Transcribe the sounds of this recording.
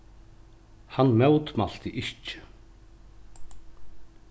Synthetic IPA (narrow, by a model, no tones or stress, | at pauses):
hanːmœwt̪mal̥t̪ɪʔɪht͡ɕːɪ̥